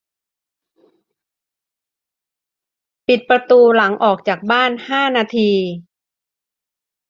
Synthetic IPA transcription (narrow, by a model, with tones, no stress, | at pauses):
pi˨˩t̪̚pɾa˧t̪uː˧la˩˦ŋʔɔː˨˩k̚t͡ɕaː˨˩k̚baː˥˩nhaː˥˩naː˧t̪ʰiː˧